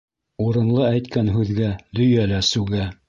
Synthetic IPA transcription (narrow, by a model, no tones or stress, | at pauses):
uɾɤ̆nlˠɤæjt̪kænɦʉðɡæd̪ɵ̆jælæsʉɡæ